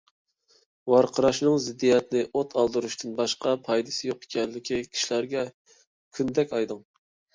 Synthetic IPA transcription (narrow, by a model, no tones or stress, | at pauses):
wɑɾqʰəɾɑʃnɨŋzɪd̪ːijɛt̪nɪʔot̪ʰɑlˠd̪ɨɾuʃt̪ʰɨnbɑʃqɑpʰɑjd̪ɨsɪjoqe̥kʲʰɛnllɪkʲikʲʰi̥ʃlæɾɡʲɛ | kʲʰynd̪ɛkʲɑjd̪ɨŋ